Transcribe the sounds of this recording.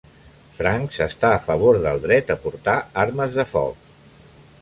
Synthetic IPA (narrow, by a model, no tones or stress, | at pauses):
fɾaŋksəst̪aəfəβ̞oɾðəlˠd̪ɾɛt̪əpuɾt̪aaɾməzðəfɔ̰k